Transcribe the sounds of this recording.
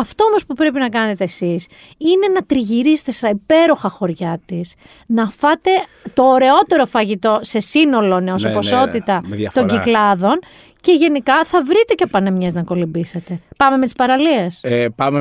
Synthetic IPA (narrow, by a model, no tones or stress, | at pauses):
ɐft̪o̞omo̞spupɾe̞pinɐkɐne̞t̪e̞ːsis | ine̞nɐt̪ɾiʝiɾist̪est̪ɐipe̞ɾo̞xɐxo̞ɾʝɐt̪is | nɐfɐt̪e̞ | t̪o̞ːɾe̞o̞t̪e̞ɾo̞fɐʝit̪o̞se̞sino̞lo̞neosepo̞so̞t̪it̪ɐɐt̪o̞ɲɟiklɐðo̞n | ce̞ʝe̞nikɐθɐvɾit̪e̞cepɐnemɲeznɐko̞limbiset̪e̞pɐme̞met̪i̥spɐɾɐliespɐme